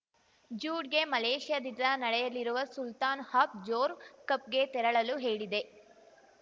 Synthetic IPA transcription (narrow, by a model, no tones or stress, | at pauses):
d͡ʒuːɖɡe̞mɐleːʂjad̪ind̪ɐnɐɽɛjɐlːiɾuʋɐsult̪aːnhaːpd͡ʒoːɾkɐp̚ɡe̞t̪ɛɾɐɭɐluɦe̞ːɭid̪e̞